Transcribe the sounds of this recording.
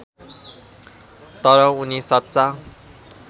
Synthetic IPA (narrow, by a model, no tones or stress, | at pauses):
t̪ʌɾʌunisʌt̪ːt͡sa